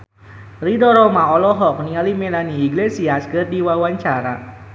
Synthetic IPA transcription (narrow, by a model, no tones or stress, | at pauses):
ridɔɾɔmaɔlɔɦɔk̚niŋalimelaniiɡlesiasɡərdiwawaɲt͡ʃaɾa